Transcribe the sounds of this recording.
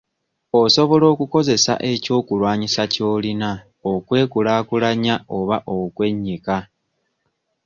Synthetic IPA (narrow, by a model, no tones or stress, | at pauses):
o̞so̞βo̞lo̞ːkuko̞ze̞sa̰ʔe̞co̞ːkulwaːɲisaco̞ːlina | okwe̞ːkulaːkulaɲao̞βaʔo̞kwe̞ɲːika